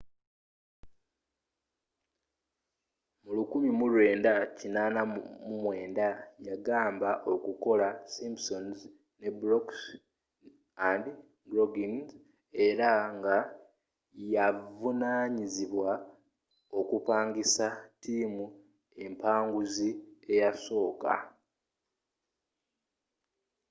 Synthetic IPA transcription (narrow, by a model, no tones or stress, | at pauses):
mulukumimuɾwe̞ːndacinaːnamumwe̞ːndajaɡaːmbaʔo̞kuko̞lasimpso̞nz | ne̞bɾoks | andi | dɾoɡinz | e̞ɾaŋɡa | javunaɲiziβwa | o̞kupaːŋɡisatʰiːmu | e̞mpaːŋɡuzie̞jaso̞ːka̰